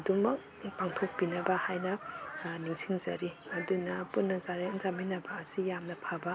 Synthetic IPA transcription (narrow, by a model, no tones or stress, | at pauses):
dumɐk̚ | paŋtʰok̚pinɐbɐhajnɐniŋsiŋzɐ̰ɾiɐdunɐpunːɐzaɾinzaminɐbɐːsijamnɐpʰabɐ